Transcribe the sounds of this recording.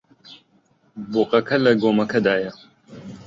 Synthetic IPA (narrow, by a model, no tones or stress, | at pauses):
boqɐkʰɐlɐɡoːmɐkʰɐd̪aːjɐ